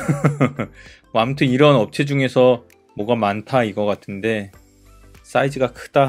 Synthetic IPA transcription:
wamtʰɯiɾʌnʌp̚t͡ɕʰe̞d͡ʑuŋe̞sʰʌ | mwʌɡamantʰaiɡʌk͈atʰɯnde̞ | s͈aidɯɡakʰɯ̥d̥a

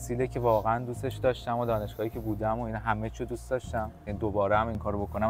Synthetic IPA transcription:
siːlecʰe̞vɒːɣeænd̪uːst̪e̞ʃd̪ɒːʃt̪æmod̪ɒːne̞ʃɡ̥ɒːicʰebuːd̪æmoinːɦæmet͡ʃʰod̪uːstd̪ɒʃt̪æmjænid̪obɒːɾeæmiŋkʰɒːɾobo̞ko̞næm

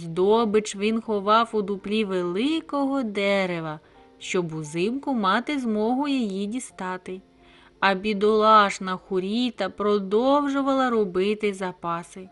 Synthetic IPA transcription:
d̪ɔbɪt͡ʃʋinxɔʋɑwud̪ʊplʲiʋelˠɪkɔɦɔd̪ɛɾeʋɐ | ʃt͡ʃɔbuzɪmkʊmɑt̪ɪzmɔɦʊjɔjidʲist̪ɑt̪ɪ | ɐbʲid̪ɔlˠɑʒnɐxʊɾʲit̪ɐpɾɔd̪ɔwʒʊʋɐlˠɐɾɔbɪt̪ɪzɐpɑsɪ

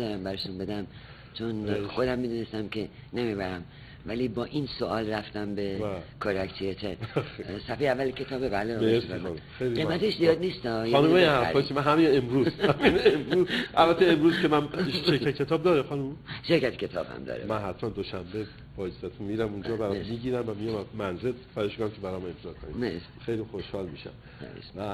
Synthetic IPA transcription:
nd̪ɒːɾæmbæɾeʃunmbe̞d̪æm | t͡ʃʰonxo̞d̪æmːid̪uːnest̪æmkʲʰe | nemibæɾæm | væliːbɒːʔinsoʔɒːlræft̪æmbekʰoɾækt̪ʰiet̪ʰesæfejævːælecʲʰe̞t̪ʰɒːbebæleesænuxejliɡemæt̪eʃzijɒːd̪niːst̪ɒjɒːnumejhæfɒʃemænɦæmiːneemɾuzhæmineemɾuzʔælbæt̪ʰːeemɾuːzcʰemænʃeɾʰæt̪kʰet̪ɒːb̚d̪ɒːɾexɒːnumʃeɾkæt̪e̥kcʰe̞t̪ʰɒ̰ːb̥hæ̰md̪ɒ̰ɾemænɦæt̪ʰmænd̪oʃæmbe | bɒd͡ʒezæt̪ʰunmiːɾæmund͡ʒɒːbæɾɒmmiːɟiːɾæmvæmijomæmænzelfæɾeʃiæmkcʰebæɾɔmnemzɒːkʰonḭmesxejlixoʃhɒːlmiːʃæ̰m | ḛḛsvæ

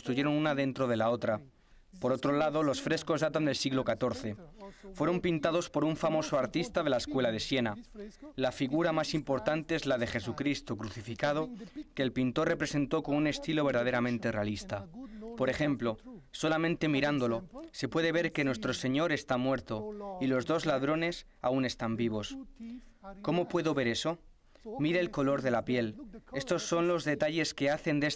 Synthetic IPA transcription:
st̪ɾuʝe̞ɾonunaðe̞nt̪ɾoð̞e̞lao̞t̪ɾa | po̞ɾo̞t̪ɾo̞laðo̞lo̞sfɾe̞sko̞zðat̪and̪e̞lsiɣlo̞kat̪o̞ɾθe̞fwe̞ɾo̞mpint̪að̞o̞spo̞ɾuɱfamo̞soaɾt̪ist̪aðe̞laeskwe̞laðe̞sje̞nalafiɣuɾamasimpo̞ɾt̪ant̪e̞ezlaðe̞xe̞sukɾist̪okɾuθifikað̞o̞keːlpint̪o̞re̞pɾe̞se̞nt̪o̞koŋune̞st̪ilo̞β̞e̞ɾðaðeɾamẽ̞nt̪e̞re̞alist̪apo̞ɾe̞xe̞mplo̞so̞lamẽ̞nt̪e̞miɾand̪o̞lo̞se̞pwe̞ðe̞β̞e̞ɾke̞nwe̞st̪ɾo̞se̞ɲo̞ɾe̞st̪amwe̞ɾt̪o̞ilo̞zðo̞zlaðɾo̞ne̞s | a̰une̞st̪ambiβ̞o̞s | ko̞mo̞pwe̞ðo̞βe̞ɾe̞so̞ | miɾeːlko̞lo̞ɾðe̞lapje̞le̞st̪o̞sːo̞nlo̞zðe̞t̪aʎe̞ske̞aθe̞nd̪e̞s

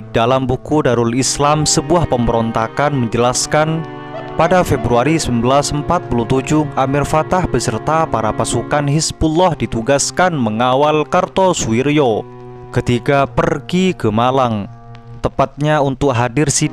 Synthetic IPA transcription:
dalambukudaɾuʊlislamsəbuahpəmbəɾont̪akanməɲd͡ʒəlaskan | padafebɾuaɾisəmanbəlasəmpat̪̚pulut̪ud͡ʒʊŋamɪrfat̪ahbəsərt̪apaɾapasukanɦisbulːɔhdit̪uɡaskanməŋawalkart̪osuiɾjo | kət̪ikapərɡikəmalaŋ | t̪əpat̪̚ɲaunt̪ʊk̚ɦadɪrsi

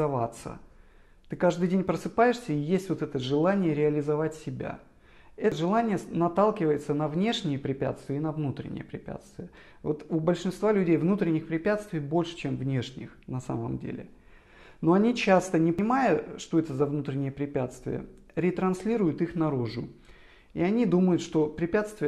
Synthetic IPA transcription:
ɐvat̪sːə̰ | t̪ɨkaʐd̪ɨjdʲenʲpɾəsɨpajɪʂsʲəijesʲtʲvo̞t̪ɛt̪əʐɨlˠanʲɪjəɾʲɪɐlʲɪzɐvatʲsʲɪbʲa̰ | ɛʐɨlˠanʲɪjənɐt̪alˠkʲɪvəjɪt̪sənəvnʲe̞ʂnʲɪjəpɾʲɪpʲæ̰t̪st̪vʲɪjəinəvnut̪ɾʲɪ̰nʲɪ̰jə̰pɾʲɪpʲa̰t̪st̪vʲɪjə | vo̞t̪ubəlʲʂɨnst̪valʲʉdʲejvnut̪ɾʲɪnʲːɪxpɾʲɪpʲæt̪st̪vʲɪjbo̞lʲʂɨ̥t͡ɕe̞mvnʲeʂnʲɪ̰xnɐsa̰mə̰mdʲḛlʲɪ̰ | no̞ɐnʲit͡ɕast̪ənʲɪpəɪmajʊʂt̪o̞ɛt̪əzɐvnut̪ɾʲɪnʲɪjəpɾʲɪpʲæt̪st̪vʲɪ̰jə̰ | ɾʲɪt̪ɾɐnsʲlʲiɾʊjʊt̪ixnɐɾuʐʊ | iɐnʲid̪uməjʊt̪ʂt̪o̞pɾʲɪpʲat̪st̪vʲɪjə

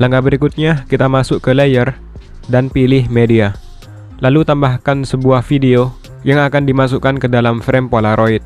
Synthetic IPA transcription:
laŋɡabəɾikʊt̪̚ɲakit̪amasʊkəlejər | danpilɪhmedia | lalut̪ambahkansəbuahfideo | jaŋakandimas̬ukankədalamfɾɛmpolaɾʔoɪt̪̚

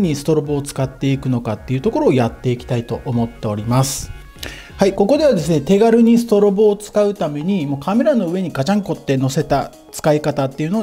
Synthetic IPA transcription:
ɲ̟isɨ̥t̪o̞ɾoboːt͡sɨ̥kat̪ːe̞ikɯ̟no̞kat̪ːe̞iɯ̟t̪o̞ko̞ɾo̞ːjat̪ːe̞ikʲi̥t̪ait̪o̞̰ʔːmo̞t̪ːe̞o̞ɾʲimasɨ̥ | haiko̞ko̞d̪e̞β̞ad̪e̞sɨne̞t̪e̞ɡaɾɯ̟ɲ̟isɨ̥t̪o̞ɾoboːt͡sɨ̥kaɯ̟t̪ame̞ɲ̟imoːkame̞ɾano̞ɯ̟e̞ɲ̟ikat͡ɕãŋko̞t̪ːe̞no̞se̞t̪a | t͡sɨ̥kaikat̪at̪ːe̞iɯ̟no̞

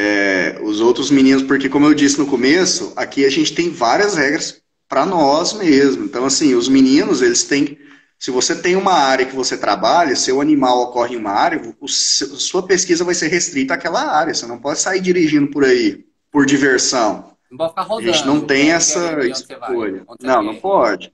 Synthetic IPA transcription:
ɛʊ̰zowt̪ɾʊzminĩnʊspʊɾkekõmʊewd͡ʒisɪnʊkomesʊ̰akiaʒẽnt͡ʃɪ̥t̪ẽj̃vaɾiɐshɛɡɾɐs | pɾɐnɔzmezmʊẽnt̪ɐ̃w̃asĩʊzminĩnʊzelɪst̪ẽj̃ | sɪvoset̪ẽj̃ũmɐaɾiɐkɪvoset̪ɾa̰baʎɐsewɐnimawokɔhɪ̃ũmɐaɾiɐvʊsuɐpeskizɐvajseɾɦest̪ɾit̪ɐakɛlɐaɾjɐosenɐ̃w̃pɔd͡ʒɪsaiɾd͡ʒiɾiʒĩnd̪ʊpʊɾai | poɾd͡ʒiveɾsɐ̃w̃ | ɐʒẽnt͡ʃɪnɐ̃w̃t̪ẽj̃ɛsɐɪskoʎɐnɐ̃w̃nɐ̃w̃pɔd͡ʒɪ

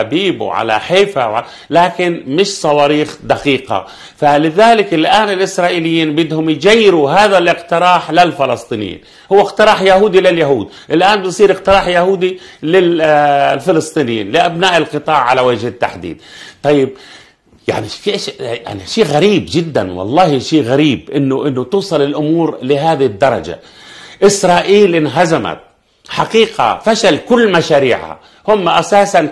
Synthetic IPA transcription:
abiːbṵʕa̰la̰ħeːfawʕa | laːkɪnmɪʃsˤɑwɑːɾiːxd̪aqiːqa̰ | falɪðaːlɪkɪlʔaːnɪlʔɪsɾˤɑːʔiːlɪjːiːnbɪd̪hʊmjd͡ʒajːɪɾuɦaːðalɪqt̪ɪɾˤɑːħlɪlfɪlɨsˤt̪ˤiːnjḭːn | hʊwːɪqt̪ɨɾˤɑːħjahuːd̪ilɪljaɦuːd̪̚ | ʔɪlʔaːnbjsˤiːɾɪqt̪ɪɾˤɑːħjahuːd̪ilɪllfɪlɨsˤt̪ˤiːnɪjḭːnlɪʔabnaːʔɪlqɨt̪ˤɑːʕʕalawaʒhɪt̪ːa̰ħd̪ḭːd̪̥̚t̪ˤɑjːɪb̚ | ja̰ʕniʃfiʔʃa̰naʃiːʔɣaɾiːbʒɪd̪ːa̰nwɑ̰lˤːɑːhiʃiːʔɣaɾiːbʔɪnːʊʔɪnːʊt̪uːsˤɨlɪlʔʊmuːɾlɪɦaːðɪhɪd̪ːɑɾˤɑ̰d͡ʒa̰ | ʔɪsɾˤɑːʔiːlʔɪnɦazama̰t̪̚ | ħaqiːqa̰faʃalkʊlːmaʃaːɾiːʕha̰ | hʊmːaʔasaːsan

